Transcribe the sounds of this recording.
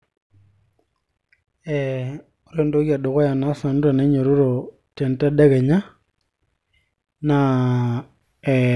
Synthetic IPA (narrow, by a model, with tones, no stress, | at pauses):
ɛ | o˦ɾe˦ndo˦kja˨do˨ɣɔ˦ja˨na˦sa˨nda˨nɛ˦ɲɔ˨ɾo˦ɾɔ˨ | tɛ˨nta˦ɗɛ˦ɣɛ˨ɲa˦ | na | ɛ